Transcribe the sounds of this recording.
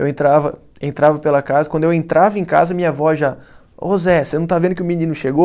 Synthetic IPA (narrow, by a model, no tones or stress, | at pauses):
ewẽnt̪ɾavɐ | ẽnt̪ɾavɐpelɐkazɐkɐ̃d̪ʊewẽnt̪ɾavɐẽj̃ka̰zɐmĩɲɐvɔʒa | ozɛsenɐ̃w̃t̪avẽd̪ʊkɪʊminĩnʊʃeɡo